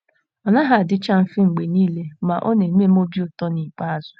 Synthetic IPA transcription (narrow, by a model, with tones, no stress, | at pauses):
ɔ˨na˦ɦa˨dɪ˦t͡ʃa˦m̩˨fɪ˦ŋ͡m̩˨ɡ͡be˨niː˦le˦ma˨ʔo˦ne˨˦m˦e˦m˦o˦bi˦o˨tɔ˦ni˨k͡pa˦a˨zʊ˨